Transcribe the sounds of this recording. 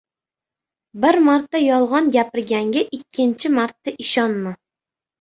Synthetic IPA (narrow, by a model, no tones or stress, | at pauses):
bɪɾmaɾt̪ːajɒlˠʁɒnɡʲapɪɾɡʲaŋɡʲaʔɪkʲʰːɪnt͡ʃʰɪmaɾt̪ːaʔɪʃɒnma